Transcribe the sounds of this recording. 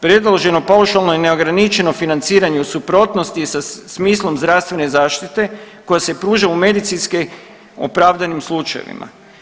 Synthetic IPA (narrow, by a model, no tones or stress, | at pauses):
pɾe̞d̪loʒe̞no̞pawʃalˠnoine̞o̞ɡɾanit͡ʃe̞no̞finant̪siːɾaɲeusupɾo̞t̪nost̪isasmiːslˠo̞mzd̪ɾast̪ʋe̞nezaːʃt̪it̪e̞ko̞jase̞pɾuːʒaume̞d̪it̪sinske | o̰pɾaʋd̪animslˠut͡ʃajḛʋḭmʔa̰